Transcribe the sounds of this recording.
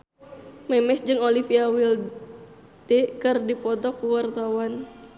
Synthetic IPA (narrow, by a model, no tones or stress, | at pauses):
mɛmɛsd͡ʒɨŋolifiawil | t̪ɛkɨrdipɔt̪ɔkuwart̪awan